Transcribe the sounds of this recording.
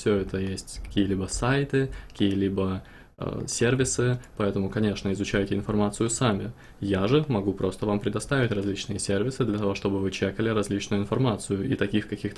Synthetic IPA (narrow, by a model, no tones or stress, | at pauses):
fsʲɵɛt̪əjesʲtʲkɐ̥kʲijəlʲibəsajt̪ɨkɐ̥kʲijəlʲibə̰ | sʲervʲɪsɨpɐɛt̪əmʊkɐnʲe̞ʂnəɪzʊt͡ɕæjtʲɪɪnfɐrmat̪sɨjʊsamʲɪ | jaʐɨmɐɡupɾo̞st̪əvampɾʲɪd̪ɐst̪avʲɪtʲrɐzʲlʲit͡ɕnɨjəsʲervʲɪsɨd̪lʲɐt̪ɐvo̞ʂt̪o̞bɨvɨt͡ɕekəlʲɪɾɐzʲlʲit͡ɕnʊjʊɪnfɐrmat̪sɨjʊʔḭt̪ɐkʲixkɐkʲixt̪ə